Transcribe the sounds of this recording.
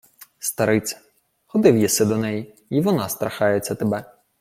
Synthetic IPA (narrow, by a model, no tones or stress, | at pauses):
st̪aɾɪt̪sʲɐ̥ | xɔd̪ɪwjisɪd̪ɔnɛji | iʋɔnast̪ɾaxajɛt̪sʲːɐt̪ɐbɛ